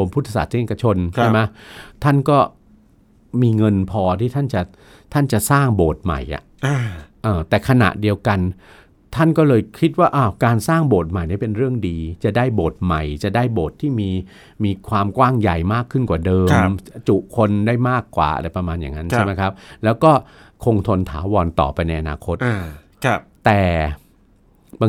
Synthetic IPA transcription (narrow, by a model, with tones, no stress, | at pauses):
o˧mpʰu˦˥t̪ʰːa˧˩sa̰˨˩t̪̚si˦˥˨ka˧t͡ɕʰo˧nt͡ɕʰa˥˩ma˦˥t̪ʰa˥˩nkɔː˥˩ | miː˧ŋɤ˧npʰɔː˧t̪ʰiː˥˩t̪ʰa˥˩nt͡ɕa˨˩ | t̪ʰa˥˩nt͡ɕa˨˩saː˥˩ŋboː˨˩t̪̚ma̰˨˩jʔa̰˨˩ʔa˧˩ʔɤː˨˧˩t̪ɛː˨˩kʰa˧na̰˨˩ʔdi˧əwka˧n | t̪ʰa˥˩nkɔː˥˩lɤː˧jkʰi˦˥t̪̚waː˥˩ʔa˧˩kaː˧nsaː˥˩ŋboː˨˩t̪̚ma˨˩jnaː˦˥˩pe˧nɾɯ˥˩əŋdiː˧t͡ɕa˨˩daː˥˩jboː˨˩t̪̚ma˨˩jt͡ɕa˨˩ʔdaː˥˩jboː˨˩t̪ʰːiː˥˩miː˧ | miː˧kʰwaː˧mkwaː˥˩ŋja˨˩jmaː˥˩kʰːɯ˥˩nkwaː˨˩dɤː˧mt͡ɕu˨˩ʔkʰo˧ndaː˥˩jmaː˥˩kːwa̰ː˨˩ʔa̰˧ɾa˧jpɾa˧maː˧nja̰ː˨˩ŋːa˦˥nt͡ɕʰa˥˩ma˦˥jkʰa˦˥p̚lɛː˦˥wkɔː˥˩ | kʰo˧ŋt̪ʰo˧nt̪ʰa̰ː˩˦wɔː˧nt̪ɔ̰ː˨˩pa˧jna˧jʔa˧naː˧kʰo˦˥t̪̚ː | t̪ɛː˨˩ | ba˧